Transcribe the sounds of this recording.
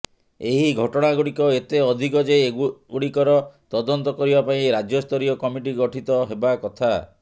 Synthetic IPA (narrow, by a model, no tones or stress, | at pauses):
eɦiɡʱɔʈɔɽ̃aɡuɽikɔet̪eɔd̪ʱikɔd͡ʒeuɽikɔɾɔt̪ɔd̪ɔnt̪ɔkɔɾibapaĩɾad͡ʒjɔst̪ʰɔɾijɔkɔmiʈiɡɔʈʰit̪ɔɦebakɔt̪ʰa